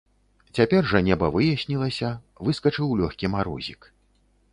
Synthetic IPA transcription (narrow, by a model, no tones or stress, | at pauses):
t͡sʲapʲɛrʐɐnʲɛbɐvɨjɐsʲnʲilˠɐsʲɐ | vɨskɐt͡ʂɨwlʲɔxʲkʲimaɾɔ̰zʲik